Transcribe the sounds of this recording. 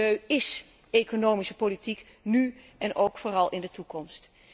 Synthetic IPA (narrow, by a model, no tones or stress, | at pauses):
øɥɪs | ekonowmisəpolitik | nyʔɛnʔowkfʊːrɑlˠɪndətukɔmst